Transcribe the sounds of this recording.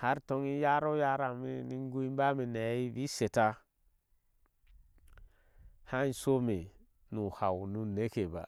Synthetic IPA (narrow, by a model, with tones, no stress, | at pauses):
ha˦ɾto˦ŋi˦ja˦ɾo˦ja˦ɾa˨mi˦ni˦ŋ˦ɡu˦i˦m˦ba˦mi˨ne˨˦i˦bi˦se˨ta˦ | ha˦i˦so˦me˨ | nu˨ha˨wnu˦ne˦ke˨ba̰˨